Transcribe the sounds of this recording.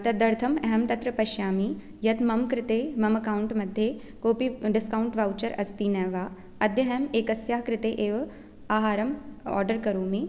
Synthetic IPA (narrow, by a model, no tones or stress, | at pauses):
t̪ɐd̪ɐɾt̪ʰɐmɛɦɐmt̪ɐt̪ɾɐpɐʃjaːmi | jɐt̪mɐmkɾɪt̪eːmɐmɐkaːwʊɳʈmɐd̪ʱːje | koːpiɖɪskaːwɳʈʋaːwt͡ʃɐɾɐst̪iːnɛːʋaː | ɐd̪ʱjɐɦɛmeːkɐsjaːɦkɾɪt̪eːʔeːʋɐ | aːɦaːɾɐmɔ̰ːɾɖəɾkɐɾoːmeː